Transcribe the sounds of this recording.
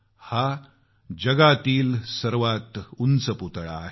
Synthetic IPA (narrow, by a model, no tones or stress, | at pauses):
ha | d͡ʑəɡat̪iːlsəɾʋat̪unt͡səput̪ɭa̰ɦ